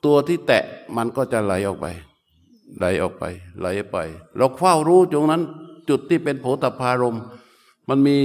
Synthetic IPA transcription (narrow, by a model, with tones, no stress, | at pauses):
t̪u˧ɐt̪ʰiː˥˩t̪ɛ̰˨˩ʔma˧nkɔː˥˩t͡ɕa˨˩la˨˩˦jʔɔː˨˩k̚pa̰˧j | la˩˦jʔɔ̰ː˨˩k̚pa̰˧jla˨˩˦jʔpa̰˧jlɛː˦˥˩wkʰwaː˥˩wɾuː˦˥t͡ɕo˧ŋna˦˥nt͡ɕu˨˩t̪ʰːiː˥˩pe˧npʰoː˦˥t̪ʰa˨˧˩pʰːaː˧ɾo˧m | ma˧nmiː˧